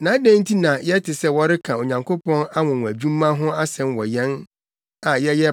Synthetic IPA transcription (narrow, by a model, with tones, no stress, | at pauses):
nãː˨˦dæ̃˦n̩˦tʰi˦nã˨jɛ˦tʰɪ˨sɛ˦wɔ˦ɾɪ˦kʰã˨o˨ɲã˨ŋkʰo˦pʰɔ̃˦na˦wɔ̃˨w̃ʷæ˨d͡ʑᶣũ˦mːã˦ɦʊ̃˦a˦sɛ̃˦nwɔ˨jɛ̃˦n | ã˨jɛ˦jɛ˦